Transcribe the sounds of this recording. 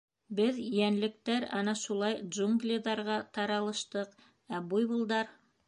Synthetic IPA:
bɘðjænlɘ̆k̚t̪æɾɑ̰nɑʃulˠɑjʒuŋɡlʲiðɑɾʁɑt̪ɑɾɑlˠɤ̆ʃt̪ɤq | æbujbulˠd̪ɑɾ

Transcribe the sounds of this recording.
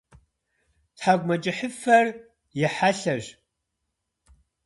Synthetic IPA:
tħaɡʷmɐt͡ʃʼɪħəfɐr | jɛħaɬɐʒ

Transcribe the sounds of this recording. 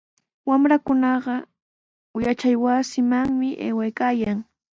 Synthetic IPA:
wamɾakʊnɑɢɑ | jat͡ʃajwasɪmaŋmɪʔḛːwajkaːjaŋ

